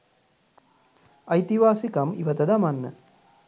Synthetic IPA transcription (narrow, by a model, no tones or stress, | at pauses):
ɐjt̪iʋaːsikɐmḭʋɐt̪ɐd̪ɐmɐnːɐ̰